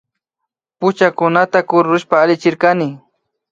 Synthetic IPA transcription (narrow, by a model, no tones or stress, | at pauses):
pʊt͡ʃakʊnat̪akʊɾʊʃpaːlɪt͡ʃɪɾkanɪ